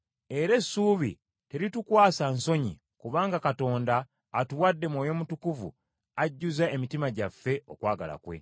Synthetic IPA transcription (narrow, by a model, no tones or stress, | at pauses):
e̞ɾe̞suːβḭ | te̞ɾitukwaːsanso̞ɲḭ | kuβaːŋɡakato̞ːndaː | tuwadːe̞mwoːjo̞mutukuvṵ | aɟːuzae̞mitimaɟafːe̞o̰kwaːɡa̰la̰kwe̞̰